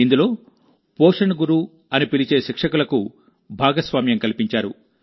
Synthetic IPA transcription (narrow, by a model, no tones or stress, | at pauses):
ind̪ulo̞ː | poːʂɐɳɐɡuɾu | ɐnipilit͡ʃeːʃikʂɐkulɐku | bʱaːɡɐsʋaːmjɐmkɐlipiɲt͡ʃaːɾṵ